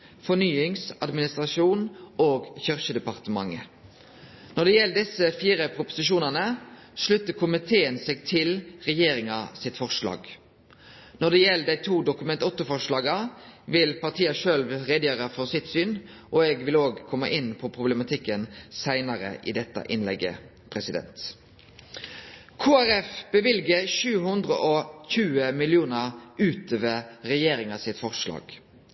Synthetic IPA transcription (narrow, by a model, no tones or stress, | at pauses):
fɔnyːɪŋsɑd̪mɪnɪst̪ʁɑʂuːnoːɡçʏʁçəd̪ɛpɑʁt̪əmɑ̰ŋːə | nɔʁɖ̪ɛjɛlːd̪ɪsəfiːɾəpʰʁʊpʊ̥sɪʃuːnənə | ʂlʉt̪ːəkʰʊmɪt̪ʰeːənseːɡt̪ʰɪlʁɛjeːɾɪŋɑsɪt̪fɔʁʂlɑ̰ːɡ | nɔɖ̪ɛjɛlːd̪æɪt̪ʰuːd̪ʊkʉmɛnt̪ʊt̪ːəfɔʁʂlɑːɡɑʋɪlpɑʁt̪ʰiːɑʃøːlʋʁeːd̪əjøːʁəfɔʁsɪt̪syːn | ʔɔɛːɡʋɪloːɡkʰɔmːəʔɪnːpʰɔpʰʁʊbləmɑt̪ʰɪkːənsæɪnɑɾə̰ʔɪ̰d̪ɛt̪ːɑ̰ʔɪnlɛɡːə̰ | pʰʁɛsɪd̪ɛ̰nt̪ | kʰuːæɾɛfb̥əʋɪlɡəʃʉːɦʉnd̪ɾə̰ʔɔçʉːəmɪlɪuːnəʁʉːt̪ʰøːʋəʁɛjeːɾɪŋɑsɪt̪fɔʁʂlɑ̰ːɡ̥